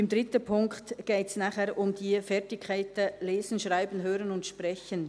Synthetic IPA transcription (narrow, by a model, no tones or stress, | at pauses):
ɪmd̪ʁɪtəpʰʊŋktɡ̥eːtsnaːχɛɾʔʊmdiːfɛʁtɪkʰːaɪt̚ɛleːzn̩ʃʁaɪbən̩ɦøːɾənʊntʃpʁɛçən